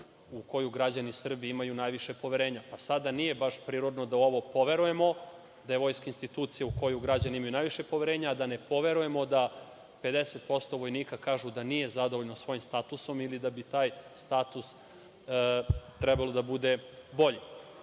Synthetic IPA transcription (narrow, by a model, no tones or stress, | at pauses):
uko̞juɡɾad͡ʑanisr̩biimajunajʋiʃe̞po̞ʋeɾeːɲapasad̪anije̞baʃpɾiːɾod̪no̞d̪ao̞ʋopo̞ʋe̞ɾuje̞mo̞ | d̪aje̞ʋo̞jskainst̪it̪uːt̪sijauko̞juɡɾad͡ʑaniimajunajʋiʃe̞poʋeɾeɲaːd̪anepo̞ʋe̞ɾuje̞mo̞d̪a | pe̞d̪eset̪̚po̞st̪o̞ʋo̞jniːkakaːʒud̪anije̞zad̪oʋoʎnosʋo̞jimst̪at̪uso̞milid̪abit̪aːjst̪at̪us | t̪ɾɛbalˠod̪abud̪e̞bo̞ʎi